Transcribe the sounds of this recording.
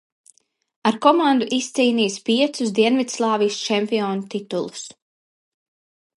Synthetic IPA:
aɾkɔmand̪uʔist̪siːniːspiɛt̪susd̪iɛnvit̪slˠɑːvijst͡ʃɛmpiɔːnut̪it̪ulˠu̥s

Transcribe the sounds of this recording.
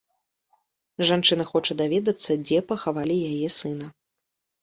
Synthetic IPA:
ʐant͡ʂɨnɐxɔt͡ʂɐd̪avʲɛd̪ɐt̪sːɐd͡zʲɛpɐxavalʲijajɛsɨnɐ

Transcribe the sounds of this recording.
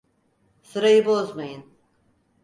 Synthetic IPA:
sɯɾajɯbo̞zmajɯn

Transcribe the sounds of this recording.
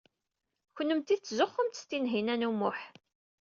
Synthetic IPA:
çənːəmt̪iðt͡sːzoχːəmt̪ə̥st̪inɦinænumʊħ

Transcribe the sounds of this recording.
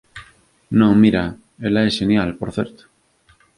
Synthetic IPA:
nõŋmiɾa | elaesʃenjalpoɾθeɾt̪o̥

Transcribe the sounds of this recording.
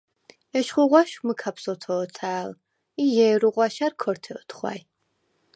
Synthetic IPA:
ɛʃχʷʊʁʷaʃmɨkʰapʰsɔtʰoːtʰaːl | ijɛːɾuʁʷɑʃarkʰɔrtʰɛt̪ʰχʷa̰ːj

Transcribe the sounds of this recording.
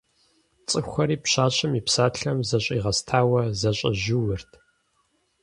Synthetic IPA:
t͡sʼɨxʷɐɾiːpɕaːɕʼɐmiːpsaːɬɐmzɐɕʼiːʁɐstʰaːwɐzɐɕʼɐ̰ʑuwɨrtʰ

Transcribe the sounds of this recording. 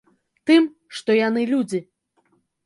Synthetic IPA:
t̪ɨm | ʂt̪ɔjanɨlʲud͡zʲi

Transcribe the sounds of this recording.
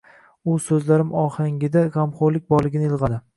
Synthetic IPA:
ʊsɵzlaɾɪmɒhaŋʲɪd̪aʁamχoɾlɪk̚ʲbɒɾlˠɪɡʲɪnɪɪlˠʁɑd̪ɪ

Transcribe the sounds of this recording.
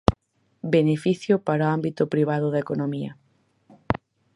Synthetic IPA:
benefiθjʊpaɾoambit̪ʊpɾiβ̞aðʊðɐekonomiɐ̰

